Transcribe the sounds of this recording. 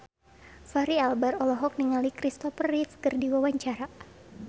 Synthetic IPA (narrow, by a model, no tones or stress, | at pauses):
faɾialbaɾɔlɔɦɔk̚niŋalikɾist̪ɔfərːit̪skərdiwawaɲt͡ʃaɾa